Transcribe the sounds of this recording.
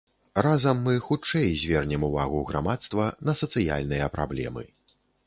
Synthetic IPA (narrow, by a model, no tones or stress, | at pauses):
razɐmːɨxut͡ʂɛjzʲvʲɛrnʲɛmuva̰ɣuɣɾamat̪st̪vɐnɐsɐt̪sɨja̰lʲnɨjɐpɾa̰blʲɛ̰mɨ̰